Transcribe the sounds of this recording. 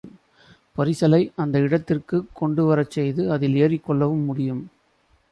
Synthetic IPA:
pɐɾɪsɐlɐɪʔɐnd̪ɐɪɽɐt̪ːɪrkɯkːɔɳɖɯʋɐɾɐt͡ʃːɛjðɯɐðɪleːɾɪkːɔɭːɐʋɯmːʊɽɪjɯm

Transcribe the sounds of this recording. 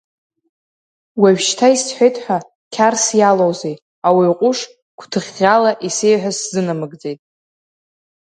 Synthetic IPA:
waʒᶣʃtʰaisħʷejtʼħʷᶣa | kʲʰarsjalowzej | awiqʷʼʊʂ | kʷʰtʰɨʁʲalaʔisejħʷᶣaszɨnamɨɡd͡ze̞jtʼ

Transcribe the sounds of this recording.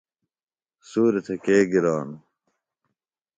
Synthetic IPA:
suːɾit̪ʰekeːɡiɾaːn

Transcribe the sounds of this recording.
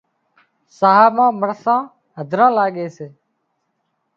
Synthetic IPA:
saːɦaːmãːməɾsãː | ɦəd̪ʱɾãːlaːɠeːseː

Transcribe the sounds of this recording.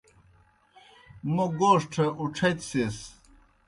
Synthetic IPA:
muɡoːʂʈʰɐuʈ͡ʂʰɐt̪ses

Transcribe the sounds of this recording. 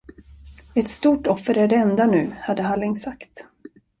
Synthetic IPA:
ɛt̪st̪uːʈɔfːəɾæɖɛɛnd̪anʉ̟ːhad̪ːəɦalːɪŋsakt̪

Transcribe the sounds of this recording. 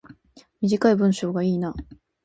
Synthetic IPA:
mʲiʑikaibɯ̟̃ɰ̃ɕo̞ːɡaiːna

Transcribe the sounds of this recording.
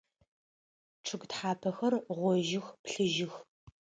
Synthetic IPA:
ʈ͡ʂʰɨɡtħaːpʰɐxɐrʁʷɔʒɪxpɬɨʒɪx

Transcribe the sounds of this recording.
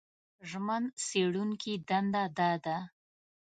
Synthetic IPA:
ʒmanseɽuŋkid̪and̪ad̪ɑd̪a

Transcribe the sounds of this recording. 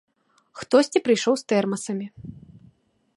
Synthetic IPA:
xt̪ɔsʲt͡sʲipɾɨjʂɔwst̪ɛrmɐsɐmʲi

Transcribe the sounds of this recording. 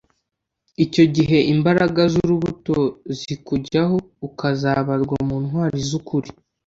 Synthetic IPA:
ico̞ɟiɦe̞imbaɾaɡazuɾuβuto̞zikuɟaɦo̞ | ukazaβaɾɡwamuːnhwaːɾizukuɾi

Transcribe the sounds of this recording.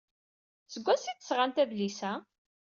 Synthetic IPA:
səɡʷːæsiθə̥sʁant̪æðlisæ

